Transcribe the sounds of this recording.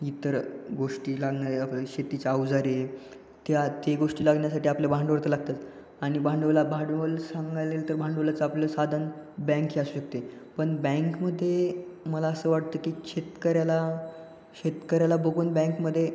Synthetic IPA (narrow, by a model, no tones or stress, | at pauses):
it̪əɾɡoʂʈiːlaɡnaɾeapləɕet̪it͡ɕaawd͡zaɾe | t̪jat̪eɡoʂʈiːlaɡɳjasaʈiːapljebʱaɳɖəʋəɾt̪əlaɡ̚t̪at̪ | aɽ̃ibʱãɳɖəʋlabʱaɖʋəlsãŋɡalelt̪əɾbʱaɳɖəʋlat͡səapleləsad̪ʱənbɛ̃ŋkɦiːasuːɕək̚t̪e | pəɳbə̃ŋkməd̪ʱːjeməlaəsəːʋaʈ̚t̪əːkiːɕʰet̪kəɾjala | ɕet̪kəɾjalabəɡuːnbɛ̃ŋkməd̪ʱːje